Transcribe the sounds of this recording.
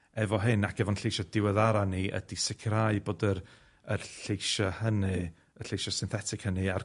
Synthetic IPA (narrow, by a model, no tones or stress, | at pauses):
ɛvɔɦɨnakʰɛvɔnɬejʃɔdɪwɛðaɾaniə̰disɪkʰɾaɨboːdəɾ | ərɬejʃɔhənɨ | əɬejʃɔsɪnθɛtʰɪkhənɨar